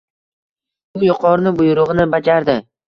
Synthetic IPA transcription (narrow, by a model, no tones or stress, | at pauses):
bʊjʊqʰɒɾnɪbʊjʊɾʊʁɨnɪbad͡ʒaɾd̪ɪ